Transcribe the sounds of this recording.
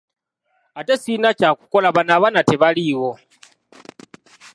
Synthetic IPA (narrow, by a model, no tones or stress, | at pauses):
atesinacaku̥kolaβanaβanatɛβaliːwo